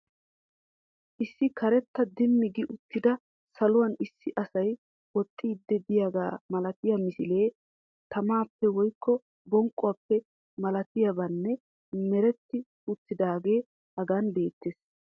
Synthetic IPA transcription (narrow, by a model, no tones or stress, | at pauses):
ʔɪsːɪkʰɐɾɛt̪ːɐd̪ɪmːɪɡɪʔʊt̪ːɪd̪ɐ | sɐlʊwɐnɪsːɪʔɐsɐj | wɔt̪ʼːiːd̪ːɛd̪ɪjaɡa̰ːmɐlɐt̪ɪjɐmɪsɪle̞ː | t̪ɐmaːpːɛwɔjkʰːɔ | bɔŋkʼːʊɐpːɛ | mɐlɐt̪ɪjɐbɐnːɛ | mɛɾɛt̪ːɪ | ʊt̪ːɪd̪aːɡe̞ː | hɐɡanbe̞ːt̪ːeːs